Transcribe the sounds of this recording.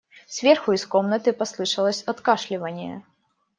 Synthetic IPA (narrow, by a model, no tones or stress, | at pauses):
svʲerxʊɪskomnət̪ɨpɐslˠɨʂɐlˠəsʲɐt̪kaʂlʲɪvənʲɪjə̰